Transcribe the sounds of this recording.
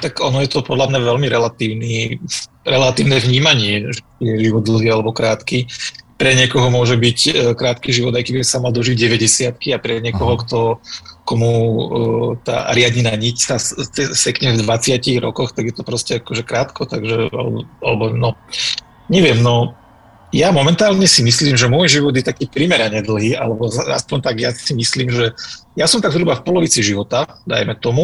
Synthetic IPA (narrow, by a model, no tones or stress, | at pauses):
t̪aɡɔnɔjɛt̪ɔpɔd̪lamɲaʋɛlmiɾɛlat̪iːʊniː | ɾɛlat̪iːʊnɛːvɲiːmaɲɪɛʒɛt͡ʃijɛʒiʋɔd̪̚d̪l̩ˠɦiːalɛbɔkɾaːt̪kiːpɾɛɲɪɛkɔɦɔmʊɔʒɛbicːkɾaːt̪kiːʒiʋɔd̪ajkɛbissamald̪ɔʒiɟɟɛʋɛɟɛsɪat̪̚kiapɾɛɲɪɛkɔɦɔkt̪ɔkɔmu | t̪a̰ːɾɪadɲinaɲicsat͡sɛsɛkɲɛvd̪ʋat͡sɪaciɣɾɔ̰kɔxt̪aɡjɛt̪ɔpɾɔscɛakɔʒɛkɾaːt̪kʰɔt̪aɡʒɛa̰lɛ̰bɔalɛbɔnɔ | ɲɛʋɪɛmnɔ | jamɔmɛnt̪aːlɲɛsimisliːmʒɛmʊɔjʒiʋɔd̪jɛt̪akiːpɾimɛɾaɲɛd̪l̩ˠɦiːʔa̰lɛbɔa̰spɔɲt̪aɡjḁsimisliːmʒɛjasɔmt̪aɡzɾubafpɔlɔʋit͡siʒiʋɔt̪ad̪a̰jmɛt̪ɔmu